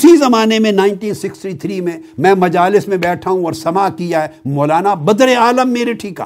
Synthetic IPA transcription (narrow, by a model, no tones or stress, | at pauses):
sizɐmaːnemẽnaːɪɳʈiːnsɪksʈit̪ʰɾiːmẽmɛ̃ːmɐd͡ʒaːlɪsmẽbɛːʈʰaɦũɔːɾsɐmakijaɦɛmɔːlaːnabɐd̪ɾeaːləmːeːɾeʈʰiːka̰ː